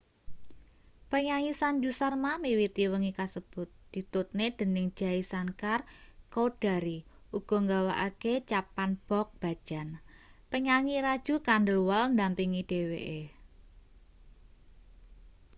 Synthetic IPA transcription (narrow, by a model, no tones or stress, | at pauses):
pəɲaŋisand͡ʒusarmamiwit̪iwəŋikasəb̥ʊt̪̚d̪̥i̤t̪ʊt̪̚ned̪̥ə̤nɪŋ̥ʒ̥aisankarkod̥a̤ɾi | ʔuɡ̥ɔ̤ŋɡawa̰ʔaket͡ʃapanb̥ɔk̚b̥a̤̥ʒ̥a̤npəɲaŋiɾad̥ʒ̥ṳkandəlwalnd̪ampiŋid̥eweʔe